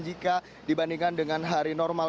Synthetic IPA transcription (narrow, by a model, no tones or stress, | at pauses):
d͡ʒika | dibandiŋkandəŋanɦaɾinɔrma